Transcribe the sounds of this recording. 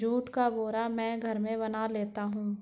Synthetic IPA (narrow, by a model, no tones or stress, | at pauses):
d͡ʒuːʈkaboːɾamɛ̃ːɡʱɐɾmẽbɐnaleːt̪aɦũː